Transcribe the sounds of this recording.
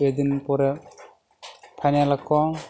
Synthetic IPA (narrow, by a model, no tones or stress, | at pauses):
ed̪inpɔɾɛ | pʰajnalakʰːɔ